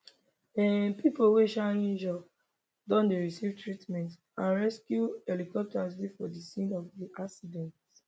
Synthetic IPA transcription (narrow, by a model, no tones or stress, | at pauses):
ɛpipoweʃaĩnd͡ʒɔ | dɔ̃ndeɹisivtɹitmɛ̃nt | ãnɹɛskjuɛlikɔp̚tɔslifɔdisĩnɔvdiʔaksidɛ̃nt